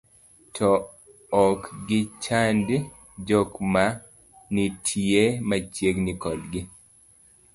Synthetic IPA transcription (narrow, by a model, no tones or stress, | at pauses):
tʰɔː | kɡɪt͡ʃand | d͡ʒɔkma | nitʰiemat͡ʃjeɡnɪkɔdɡɪ